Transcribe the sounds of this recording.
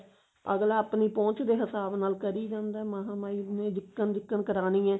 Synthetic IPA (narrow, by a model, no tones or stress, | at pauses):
ə̰ɡlaːpniːpɔ̃ːt͡ʃd̪eːɦəsaːbnaːlkəɾiːd͡ʒãːnd̪aːmaɦaːmaːiːnẽːd͡ʒ̪ɪkːənd͡ʒ̪ɪkːənkəɾaːnĩːɛ̃ː